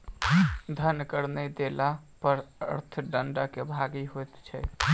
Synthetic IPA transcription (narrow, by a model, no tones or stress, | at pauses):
d̪ʱənkəɾnɛd̪elapəɾə̰ɾt̪ʰɖəɳɖakebʱaɡiɦojt̪t͡ʃʰɛ